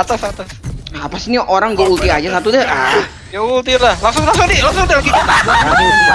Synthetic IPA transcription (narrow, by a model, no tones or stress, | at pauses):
t̪asat̪asapasiniʔoɾaŋɡault̪iad͡ʒasat̪udəha | ɡault̪ilahlaŋsʊŋlaŋs̬ʊŋdilaŋs̬ʊŋd̪ikit̪aaa